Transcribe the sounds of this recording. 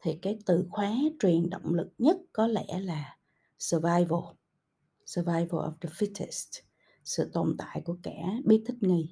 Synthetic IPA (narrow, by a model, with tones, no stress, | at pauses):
t̪ʰi˨˩kaː˨˦jt̪ɨ˧˨xwaː˨˦t͡ɕwi˨˩ənɗo̰˧˨wŋ͡mlɨ˨˩k̚ɲə˦˥t̚kɔ˨˦lɛ̰˧˥laː˨˩ | sə˧vaː˧jvə˧˩ | sə˧vaː˧jvə̰˧lʔɔ̰˨˩fdə˨fi˦˥tɛ˨˩st | sɨ̰˧˨t̪o̰˨˩nt̪a̰ː˧˨jku˧˩əkaː˧˩ɓi˦˥t̪ʰï˦˥k̚ŋi˧j